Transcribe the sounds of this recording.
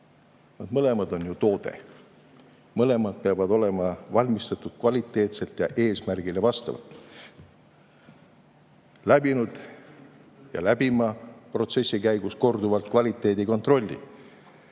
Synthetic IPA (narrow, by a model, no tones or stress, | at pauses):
vɑd̪̥mɤle̞mɑd̪o̞njut̪o̞ːd̪̥e̞̰ | mɤle̞mɑd̪̥̚peɑvɑd̪o̞le̞mɑvɑlʲmist̪ɑt̪ːˑud̪̥kvɑlʲit̪ːˑe̞ːt̪se̞lt̪jɑʔe̞ːsmærɡ̥ilevɑst̪ɑ̰vɑ̰lt̪ːˑ | læb̥inud̪̥ | jɑ̰læb̥imɑpro̞t̪se̞sʲːikæjɡusko̞rd̪uvɑlt̪̚kvɑlʲit̪ːˑe̞ːd̪iko̞nt̪ro̞lʲːḭ